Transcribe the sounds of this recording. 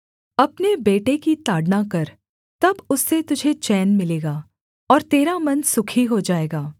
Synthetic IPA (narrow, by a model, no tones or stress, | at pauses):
ɐpnebeːʈekit̪aːɖnakɐɾ | t̪ɐbʊsːet̪ʊd͡ʒʱet͡ʃɛːnmɪleːɡaː | ɔːɾt̪eːɾamɐnsʊkʰiɦod͡ʒaːeːɡaː